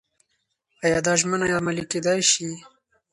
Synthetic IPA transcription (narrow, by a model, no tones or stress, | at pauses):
ajɑːd̪ɑʒmənajɑmaliked̪ɑjʃi